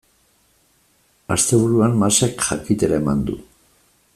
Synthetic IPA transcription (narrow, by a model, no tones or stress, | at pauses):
a̰st̪e̞β̞uɾuanmasakʝakit̪eɾae̞mand̪ṵ